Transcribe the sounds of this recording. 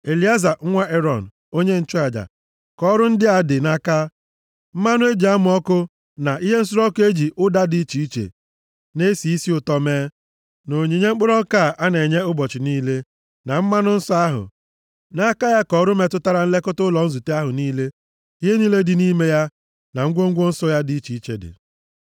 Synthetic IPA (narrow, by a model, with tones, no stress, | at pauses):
e˨li˨˦a˦za˨ŋ̩˦ŋʷa˦ʔe˦ɾɔ˨n̩˨ | o˦ɲe˦n̩˦t͡ʃʊ˦a˨d͡ʒa̰˨ | kɔ˦ɾʊ˦n̩˦dɪ˦a˨dɪ˨na˦ka˦ | m̩˦ma˦nʊ˦e˦d͡ʒi˨a˦mʊ˨˦ɔ˦kʊ˦ | na˨ʔi˦ɦe˦n̩˦s̬ʊ˦ɾɔ˦ke˦d͡ʒi˨ʔʊ˦da˦di˦t͡ʃi˨i˦t͡ʃḛ˨ | ne˦si˨i˦si˦ʊ˨tɔ˦meː˦ | no˨ɲe˨ɲe˦ŋ͡m̩˦k͡pʊ˦ɾɔ˦ka˦˨ʔa˦ne˨ɲe˦ʊ˦bɔ˨t͡ʃɪ˨niː˦le˦ | na˨m̩˦ma˦nʊ˦n̩˦sɔ˦a˦ɦʊ̰˨ | na˦ka˦ja˦kɔ˨˦ɾʊ˦me˨tʊ˦ta˦ɾa˨n̩˦le˦kʊ˦tʊ˦lɔ˨n̩˦zu˨te˦a˦ɦʊ˨niː˦le˦ | i˦ɦe˦ni˦le˦dɪ˨niː˦me˦ja˦ | na˨ŋ̩˦ɡʷo˦ŋ̩˦ɡʷo˦n̩˦sɔ˦ja˦di˨i˦t͡ʃi˨i˦t͡ʃḛ˨dɪ̰˨